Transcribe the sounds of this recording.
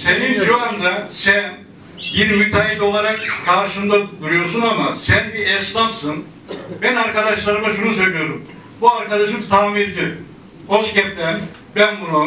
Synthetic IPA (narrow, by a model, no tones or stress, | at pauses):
se̞ninʃuand̪asæn | jinimyt̪ʰaɦit̪ʲo̞lˠaɾakkʰaɾʃɯmd̪ad̪uɾujo̞ɾsunamasænbiɛslˠafsɯn | bɛnaɾkad̪aʃlˠaɾɯmaʃunus̬ø̞jlʲijo̞ɾum | buaɾkad̪aʃɯmt̪ʰaːmeɾd͡ʒi | ho̞ʃcɛlɛn | bænbuna